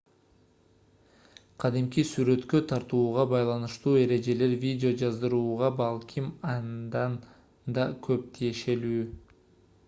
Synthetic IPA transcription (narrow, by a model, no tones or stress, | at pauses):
qʰɑd̪imkisyɾø̞t̪kø̞t̪ʰɑɾt̪uːʁɑbɑjlˠɑnɯʃt̪uːe̞ɾe̞d͡ʒe̞le̞ɾvʲidʲɪod͡ʒɑzd̪ɯɾuːʁɑbɑlˠkʲʰimɑnnd̪ɑn | d̪ɑkʰø̞p̚t̪ʰije̞ʃe̞lyː